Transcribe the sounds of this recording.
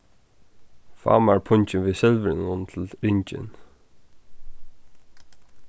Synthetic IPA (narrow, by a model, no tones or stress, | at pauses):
fa̰ːmaɹpʰʊɲt͡ɕɪnvɪsɪlvɾɪnʊnt̪ʰɪlɾɪɲt͡ʃɪ̰n